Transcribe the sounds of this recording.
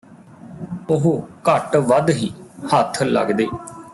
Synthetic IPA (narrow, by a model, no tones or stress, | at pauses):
ʊɦːkəʈʋəd̪ɦiːhət̪ʰːlə̰ɡd̪eː